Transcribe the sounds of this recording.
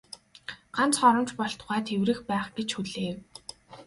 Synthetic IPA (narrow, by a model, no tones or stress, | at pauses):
ɢ̥ant͡sχɔɾɞ̆mt͡ɕpɔɬt̪ʁæːt̪ʰewrɘ̆xpæːχɡ̥et͡ɕxuɮeːw